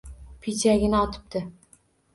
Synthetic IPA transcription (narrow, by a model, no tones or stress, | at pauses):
pʰit͡ʃaɡʲɪnɪɒt̪ʰɪ̥p̚t̪ʰɪ